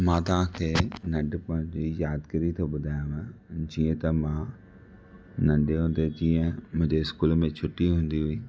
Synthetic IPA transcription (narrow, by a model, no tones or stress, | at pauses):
mãːt̪̬ʊɦãːkʰeːnəɖpãːd͡ʒijaːd̪kəɾit̪ʰoːbʊd̪ʱaːjãːmɛ̃ːd͡ʒiːẽt̪ɐmãː | nə̃ɳɖeːɦʊ̃ːnd̪eːd͡ʒiːẽmʊ̃d͡ʒeskuːlmẽt͡ʃʰʊʈːiːɦʊ̃nd̪iːɦʊiː